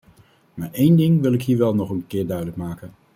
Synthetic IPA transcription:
maːɹejndɪŋʋɪlˠɪkɦiːɹʋɛlˠnɔχənkɪːɹdœɥdələkmaːkən

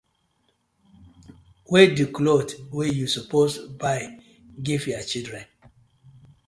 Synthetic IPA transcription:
wediklodwejusuposbaɪ | ɡivjat͡ʃidɹɛ̃n

